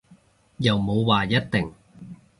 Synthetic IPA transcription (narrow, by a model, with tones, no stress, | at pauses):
jɐ˨wmo˨˧wwaː˨jɐ˥t̚t̪ɪ˨ŋ